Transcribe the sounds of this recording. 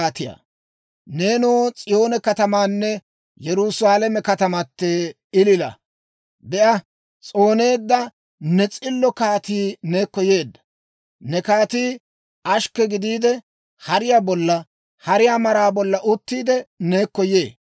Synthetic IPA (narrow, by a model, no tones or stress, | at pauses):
aːt̪ɪja̰ | ne̞ːnoːt͡sʼɪjo̞ːnɛkɐt̪ɐmaːnːɛ | jɛɾʊsaːlɐmɛkɐt̪ɐmɐt̪ːeː | ɪlɪlɐ̰ | b̪ɛʔɐ | t͡sʼo̞ːne̞ːd̪ːɐ | nɛt͡sʼɪlːɔkaːt̪iːne̞ːkːɔje̞ːd̪ːɐ̥ | nɛkaːt̪iː | ɐʃkːɛɡɪd̪iːd̪ɛ | hɐɾɪjaːbɔlːɐ | hɐɾɪjaːmɐɾaːbɔlːɐʔʊt̪ːiːd̪ɛneːkːɔjeː